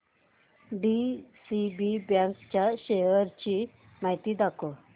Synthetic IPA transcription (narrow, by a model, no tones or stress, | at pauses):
ɖisibibjãŋkt͡ɕjaɕejəɾt͡ɕi | majt̪id̪ako